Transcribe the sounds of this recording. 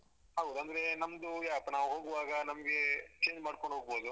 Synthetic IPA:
ɦɐwd̪uɐnd̪ɐɾe̞nɐmɐd̪ujaːɐpːɐnaːʋuɦoːɡuʋaːɡɐnɐmɐɡe̞t͡ʃeːɲd͡ʒmaːɖkoɳɖʱɦoːɡ̚boːd̪u

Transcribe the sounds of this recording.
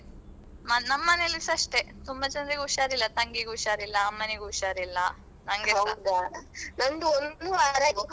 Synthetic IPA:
mɐnɐmːɐnejɐlːisɐʂʈet̪umbɐt͡ʃɐnd̪ɾiɡuʃaːɾilːɐt̪ɐŋɡiɡuʃaːɾilːɐːmːɐneɡuʃaːɾilːɐ | nɐŋɡewɐd̪anɐŋɡuond̪uaɾɐɡ

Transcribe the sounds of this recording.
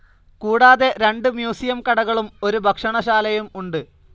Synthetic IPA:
kuːɽaːðe̞ɾe̞ɳɖɨmjuːsijɐmkɐɽɐɣɐɭumo̞ɾubʱɐkʂɐɳɐɕaːlɐjumuɳɖɨ

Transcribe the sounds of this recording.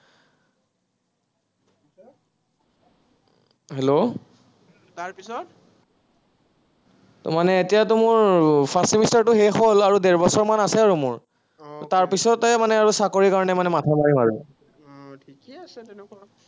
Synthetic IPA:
ɦelo | taɹpisɔt̚ | tɔ̰manɛːtijatumʊɹpʰasimistaɹtʊɦexolaɹudɛɹbɔsɔɹmanasɛaɹumʊɹ | totaɹpisɔtɛmanɛaɹusakoɹikaɹɔnɛmanɛmatʰamaɹimaɹu | tʰikasɛnk

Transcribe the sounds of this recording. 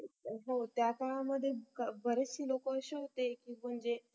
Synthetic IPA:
ɦowt̪jat̪aɭaməd̪ʱːjekabəɾesiːlokoəɕeɦot̪ekim̤əɳd͡ʑe

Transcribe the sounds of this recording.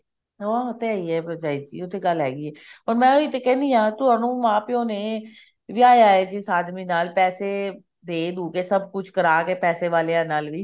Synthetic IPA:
ʋaːʊt̪eaːiːɦɛːpɾəd͡ʒaːid͡ʒḭːʊt̪ʰːeːɡəlɦɛːɡiːɛːɔːɾmɛ̃ːoit̪ekɛ̃ːnd̪iːãːt̪ʊaːnũːmãːpeoneː | ʋiaːjaːɦeːd͡ʒɪsaːd̪miːnaːlpɛːseː | d̪eːd̪uːkeːsəb̚kʊt͡ʃʰkəɾaːkeːpɛːseːʋaːleːãːnaːlʋiː

